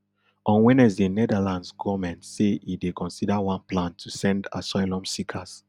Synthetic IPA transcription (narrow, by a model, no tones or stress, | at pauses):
ɔ̃nwɛ̃nɛzdenɛdalãndsɡɔmɛ̃ntseidekɔ̃nsidawãnplãntʰusɛ̃nda̰saɪlɔ̃msikʰas